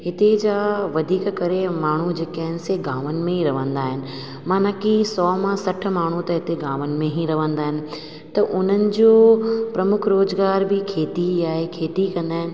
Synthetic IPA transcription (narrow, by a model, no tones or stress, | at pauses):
ɦɪt̪ed͡ʑaːʋɐd̪ʱiːkkɐɾemaːɳ̤ud͡ʑeːkaːɦɪnɪ̆seɡaːʋənɪ̆mẽɦiɾɐʋə̃nd̪aːɦɪnɪ̆ | mãːnɐkisɔːmãsɐʈ̆ʰmaːɳ̤ut̪ɐɦɪt̪eɡãːʋənɪ̆mẽɦiɾɐʋə̃nd̪aːɦɪnɪ̆ | t̪ɐʔʊn̤ənɪ̆d͡ʑoːpɾɐmʊkʰɾoːzɡaːɾbɪkʰeːt̪iaːɦekʰeːt̪ikɐ̃nd̪aːɦɪnɪ̆